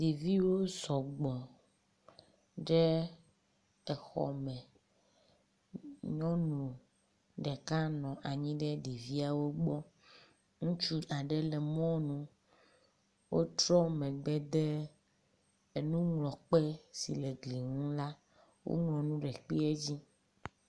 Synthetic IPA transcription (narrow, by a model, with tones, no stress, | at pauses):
ɖi˨vi˦wo˦sɔ˨ɡ͡bɔ˨ | ɖɛ˦ | ɛ˨xɔ̰˨mɛ̃˨ | ɲɔ̃˦nũ˨ | ɖɛ˨ka˦nɔ̃˨ʔa˨ɲĩ˦ɖɛ˦ɖi˨vi˦a˨wo˦ɡ͡bɔ˦ | ŋũ˦t͡ʃu˦ʔa˨ɖɛ˦lɛ˨mɔ̃˦nũ˦ | wʔo˦t̪ɾɔ˦mɛ̃˨ɡ͡bɛ˦d̪e˦ | e˨nũ˦ŋlɔ̃˨k͡pɛ˦sḭ˨le˨ɡli˨ŋũ˦la˦ | wo̰˦ŋlɔ̃˨nũ˦ɖɛ˨k͡pi˦e˦d͡ʑi˦